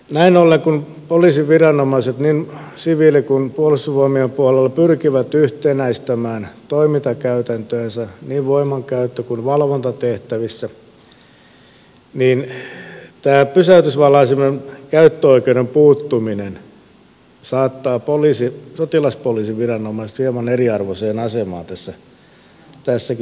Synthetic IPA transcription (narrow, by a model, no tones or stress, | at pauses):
næinolːeŋkun | poliːsiʋʋirɑnomɑiset̪niːn | siʋilːikunpuɑlust̪usʋoimiempuɑlelːɑpyrkiʋæt̪yht̪enæist̪æmæːnt̪oimit̪ɑkæyt̪ænt̪øːnsæniːʋʋoimˑɑŋkæyt̪ːøkunʋɑlʋont̪ɑt̪eht̪æʋisːæ | niːn | t̪æːpysæyt̪ysʋɑlːɑisimenkæyt̪ːøoikeudempuːt̪ːuminen | sɑːt̪ːɑːpoliːsisot̪ilɑspoliːsiʋirɑnomɑˑise̥t̪ʋiemɑneriɑrʋoseːnɑsemɑːnt̪æsːæ | t̪æsːæk